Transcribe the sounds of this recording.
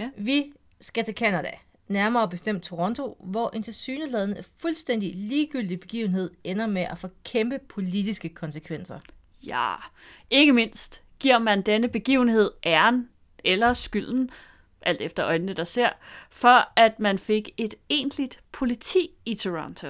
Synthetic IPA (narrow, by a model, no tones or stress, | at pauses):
ʋi | sɡ̥æt͡sʰe̝kʰænæd̥æ | næɐmɐːb̥e̝sd̥em̰d̥̚t͡sʰo̝ʁɔ̽nt͡sʰo̝ʋɒʔe̝nt͡sʰe̝lsyːnəlɛð̞ˠn̩fulsd̥en̰d̥iliːɡ̥yl̰d̥ib̥e̝ɡ̥ḭːʊn̩ɦe̝ð̞̰ˠenɐmeʔæfɒ̽kʰemb̥əpʰo̝lid̥isɡ̥əkʰɒ̽nsəkʰʋen̰sɐ | jæ | e̝ɡ̥əme̝n̰sd̥ | ɡ̥iɐ̰mænd̥enəb̥e̝ɡ̥ḭːʊn̩he̝ð̞̰ˠʔæɐn | elɐsɡ̥yl̰n̩ | ʔæl̰d̥efd̥ɐɒ̽ɪnnəd̥ɑ̈se̝ɐ̰fɒ̽æd̥mænfe̝ɡ̥e̝d̥e̝̰ːnd̥lid̥pʰo̝lit͡sʰḭːit͡sʰøʁɑnt͡sʰo